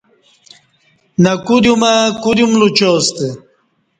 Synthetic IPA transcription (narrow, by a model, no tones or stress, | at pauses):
nɐkuɾjumakuɾjumlut͡ɕoːst̪e